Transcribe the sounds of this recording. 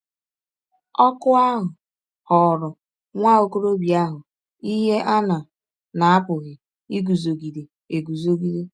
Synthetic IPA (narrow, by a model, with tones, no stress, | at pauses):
ɔ˦kʊ˦a˦ɦʊ˨ | hɔ˨ɾʊ˨ | ŋʷa˦o˦ko˦ɾo˦bi˨a˦ɦʊ˨ | i˦ɦe˦ʔa˦na˨ | na˨a˦pʊ˨ɣɪ˨ | i˦ɡu˨zo˨ɡi˨ɾe˨ | e˨ɡu˨zo˦ɡi˦ɾe˦